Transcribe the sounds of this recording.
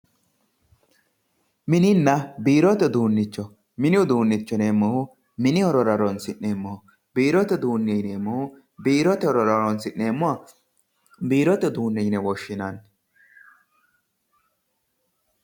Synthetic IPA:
mɪnɪnːɐbiːɾɔt̪ɛd̪uːnːɪt͡ʃːɔ | mɪnɪʊd̪uːnːɪt͡ʃːɔneːmːɔhʊ | mɪnɪɔɾɔɾɐɾɔnsɪneːmːɔ | biːɾɔt̪ɛd̪uːnːɛjneːmːɔhʊ | biːɾɔt̪ɛɔɾɔɾɐɾɔnsɪnːe̞ːmːʊa | biːɾɔt̪ɛd̪uːnːɛjnɛwɔʃːɪnɐn

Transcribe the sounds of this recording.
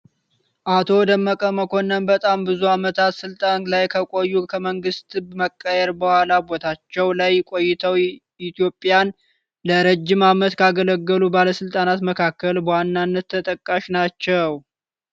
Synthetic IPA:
ʔat̪ʰo̞d̪əmːəkʼəməkʰo̞nːənbət̪ʼambɨzuamət̪ʰat̪sɨlt̪ʼanlajkʰəkʼo̞jːukʰəməŋɡɨst̪bməkʼːəjɛɾbəhʷalabo̞t̪ʰat͡ʃːɛwlajkʼo̞jːɪt̪ʰəw | it̪ijo̞pʼːjan | ləɾəd͡ʒːɪmamət̪kʰaɡələɡːəlubaləsɨlt̪ʼanat̪məkʰakːəlbəwanːanːət̪ʰːət̪ʼəkʼːaʃnat͡ʃːɛw

